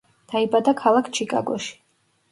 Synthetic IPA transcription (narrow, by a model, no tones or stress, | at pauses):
d̪̥aibad̪akʰalˠakʰt͡ʃʰikʼa̰ɡɔ̰ʃi̥